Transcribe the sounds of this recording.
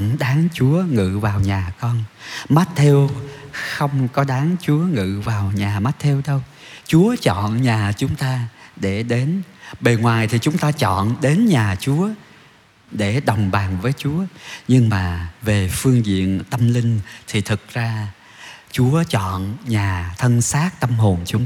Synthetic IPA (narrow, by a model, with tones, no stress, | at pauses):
ɗaː˨˦ŋt͡ɕu˨˦əŋɨ̰˧˨vaː˨˩wɲaː˨˩kɔ˧nma˦˥t̚t̪ʰe˧wxə˧wŋ͡mkɔ˨˦ɗaː˨˦ŋt͡ɕu˨˦əŋɨ̰˧˨vaː˨˩wɲaː˨˩ma˦˥t̚t̪ʰe˧wɗə˧w | t͡ɕu˨˦ət͡ɕɔ̰˧˨nɲaː˨˩t͡ɕʊ˨˦ŋ͡mt̪aː˧ɗe˧˩ɗe˨˦nɓe˨˩ŋwaː˨˩jt̪ʰi˨˩t͡ɕʊ˨˦ŋ͡mt̪aː˧t͡ɕɔ̰˧˨nɗe˨˦nɲaː˨˩t͡ɕu˨˦ə | ɗe˧˩ɗə˨˩wŋ͡mɓaː˨˩nvəː˨˦jt͡ɕu˨˦əɲɨ˧ŋmaː˨˩ve˨˩fɨ˧əŋzḭ˧˨ənt̪ə˧mlï˧ŋ̟t̪ʰi˨˩t̪ʰɨ˨˩k̚zaː˧ | t͡ɕu˨˦ət͡ɕɔ̰˧˨nɲaː˨˩t̪ʰə˧nsaː˦˥t̚t̪ə˧mho˨˩nt͡ɕʊ˨˦ŋ͡m